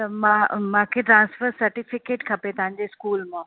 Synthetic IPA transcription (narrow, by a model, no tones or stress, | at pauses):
t̪ɐmãːmãːkʰeʈɾãːnsfəɾsɐɾʈɪfɪkeːʈkʰɐpet̪ɐɦãɲd͡ʑeskuːlmãː